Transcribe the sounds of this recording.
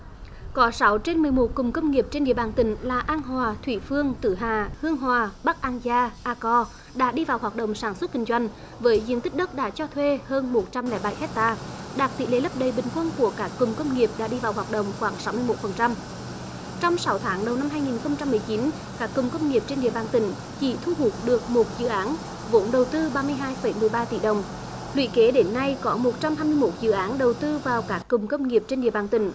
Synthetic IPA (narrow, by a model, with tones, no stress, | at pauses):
kɔ˨˦sa˨˦wt͡ɕe˧nmɨ˨˩əjmo˨˩t̚kʊ˨˩ŋ͡mkə˧wŋ͡mŋi˨˩əp̚t͡ɕe˧nɗḭ˧˨əɓaː˨˩nt̪ï˨˦ŋ̟laː˨˩ʔaː˧nɦwaː˨˩t̪ʰwi˧˩fɨ˧əŋt̪ɨ˧˩ɦaː˨˩hɨ˧əŋɦwaː˨˩ɓa˦˥k̚ʔaː˧nzaː˧ʔaː˧kɔ˧ | ɗa̰ː˧˥ɗi˧vaː˨˩wɦwaː˨˩t̚ɗə̰˧˨wŋ͡msaː˧˩nswə˦˥t̚kï˧˩ŋ̟zwa˧jŋ̟ | vəː˨˦jzḭ˧˥ənt̪i˦˥k̚ɗə˦˥t̚ɗa̰ː˧˥t͡ɕɔ˧t̪ʰwe˧həː˧nmo˨˩t̚t͡ɕa˧mlɛ̰ː˧˩jɓa̰˧˩jhɛ˦˥t̚t̪aː˧˩ɗaː˨˩k̚t̪ḭ˧˨˦le˨˦lə˦˥p̚ɗə˨˩jɓï˨˩ŋ̟kwə˧nku˧˩əkaː˦˥kːʊ˨˩ŋ͡mkə˧wŋ͡mŋi˨˩əp̚ɗa̰ː˧˥ɗi˧vaː˨˩whwaː˨˩t̚ɗə̰˧˨wŋ͡mxwaː˧˩ŋsa˨˦wmɨ˧əjmo˨˦˥t̚fə˨˩nt͡ɕa˧m | t͡ɕɔ˧wŋ͡msa˨˦wt̪ʰaː˨˦ŋɗə˨˩wna˧mɦaː˧jŋi˨˩nxə˧wŋ͡mt͡ɕa˧mːɨ˨˩əjt͡ɕi˨˦n | kaː˦˥kːʊ˨˩ŋ͡mkə˧wŋ͡mŋi˨˩əp̚t͡ɕe˧nɗḭ˧˨əɓaː˨˩nt̪ï˧˩ŋ̟ | t͡ɕḭ˧˥t̪ʰu˧ɦu˨˩t̚ɗɨ˨˩ək̚mo˨˩t̚zɨ̰˧˨ʔaː˨˦n | vo˨˦nɗə˨˩wt̪ɨ˧ɓaː˧mɨ˧əjɦaː˧jfə˨˧˩jmɨ˨˩əjɓaː˧t̪ḭ˧˩ɗə˨˩wŋ͡m | lwḭ˧˨ke˨˦ɗe˨˦nːa˧jkɔ˨˦mo˨˩t̚t͡ɕa˧mhɦaː˧jmɨ˧əjmo˦˥t̚zɨ̰˧˨ʔaː˨˦nɗə˨˩wt̪ɨ˧vaː˨˩wkaː˦˥kːʊ˨˩ŋ͡mkə˧wŋ͡mŋi˨˩əp̚t͡ɕe˧nɗḭ˧˨əɓaː˨˩nt̪ï˧˩˦ŋ̟